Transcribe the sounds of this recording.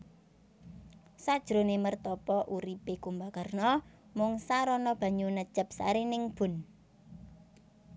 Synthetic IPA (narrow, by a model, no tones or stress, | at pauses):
sad̥ʒ̥ɾonemərt̪ɔpɔʔuɾipekumbakərnɔ | mʊŋsaɾɔnɔb̥ä̤ɲunə̥t͡ʃəp̚sa̰ɾenɪŋb̥ʊ̤n